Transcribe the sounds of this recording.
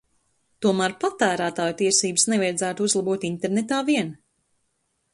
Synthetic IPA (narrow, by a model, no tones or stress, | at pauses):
t̪uɔmæːɾpat̪æːɾæːt̪aːjt̪iɛsiːbsnevajd̪zæːt̪uzlˠabuɔt̪int̪eɾnet̪aːviɛn